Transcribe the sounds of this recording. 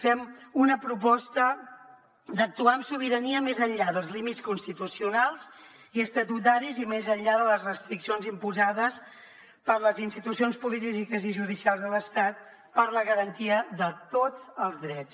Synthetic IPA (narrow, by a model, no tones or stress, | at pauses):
fɛmunəpɾup̬ɔst̪ə | d̪ək̚t̪uaəmsuβ̞iɾəniəmezəʎʎaðəlˠzlimiskunst̪it̪usiunalˠz | iəst̪ət̪ut̪̬aɾizimezəʎʎaðələzrəst̪ɾiksionzimpuzaðəs | pəɾləzinst̪it̪usionspulit̪̬izikəziʒuð̞isialˠzðələst̪at̪̚ | pəɾləɣəɾənt̪iəðət̪od͡zəlˠzðɾɛt͡s